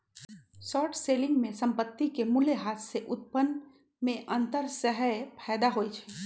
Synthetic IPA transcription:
sɔːʈʰseːlɪ̃ŋɡmẽsɐ̃mpət̪ːikemʊleɦaːt̪seʔʊt̪̚pən | mẽʔɐ̃nt̪əɾsəɦəpʰɛːd̪aɦoːit͡ʃʰɛ̥ː

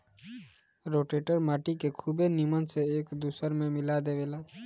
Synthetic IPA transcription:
ɾoʈeʈəɾmaːʈikekʰubenimənseeːkd̪usəɾmemilad̪eʋela

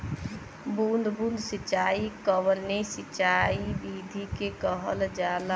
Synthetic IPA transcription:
bund̪bũnd̪ʱsit͡ʃaikəʋənːesit͡ʃaibid̪ʱikekəɦəld͡ʒala

